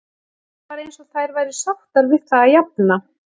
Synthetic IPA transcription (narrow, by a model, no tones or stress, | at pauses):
paːɾejnsɔθajɾvajɾɪ̥sawht̪aɾvɪðθaajap̚nna